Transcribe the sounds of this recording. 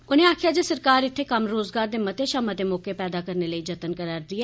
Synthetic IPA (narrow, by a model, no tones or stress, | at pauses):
ʊnẽːaːkʰɪjaːd͡ʒeːsəɾkaːɾɪt̪ʰːeːkəmɾoːzɡaːɾd̪eːmət̪eːʃəmət̪eːmɔːkepɛːd̪aːkəɾneləiːd͡ʒət̪ənkəɾaːɾd̪iɛː